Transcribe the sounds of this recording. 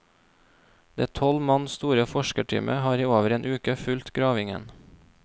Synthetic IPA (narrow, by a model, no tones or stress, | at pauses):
d̪̥eːt̪ʰɔlmɑnst̪uːɾəfɔʃkəʈʰy̰ːmʔə̰hɑːɾiːoːʋəɾeːnʔʉːkəfʉlt̪ɡɾɑːʋɪŋə̰n